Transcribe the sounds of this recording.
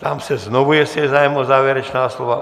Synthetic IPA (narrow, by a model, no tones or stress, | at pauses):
t̪amsɛznoʋujɛsɛzaːjmɔzaːʋjɛɾɛt͡ʃnaːsloʋa